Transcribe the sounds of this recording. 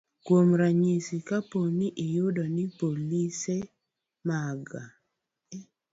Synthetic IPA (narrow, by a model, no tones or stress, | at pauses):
kwomɾaɲisikaponiʔɪjʊdɔnɪpolise | maɡa̰